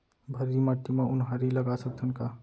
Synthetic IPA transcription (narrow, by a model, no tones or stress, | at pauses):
bʱəɾimaʈ̪ːimeunɦaɾiləɡasək̚d̪ʱənka